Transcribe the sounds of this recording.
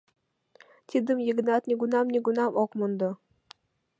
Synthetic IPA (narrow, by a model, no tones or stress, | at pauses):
t̪ʲid̪ə̆mjiɡnɑt̪nʲiɡunɑmnʲiɡunɑmokmond̪ɤ